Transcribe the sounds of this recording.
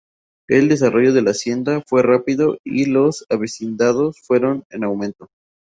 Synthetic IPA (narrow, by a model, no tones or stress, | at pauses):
eld̪e̞s̬aro̞ʝo̞ðe̞lasje̞nd̪afwe̞rapiðo̞ilo̞saβesind̪aðo̞sfwe̞ɾo̞nenawmẽ̞nt̪o̞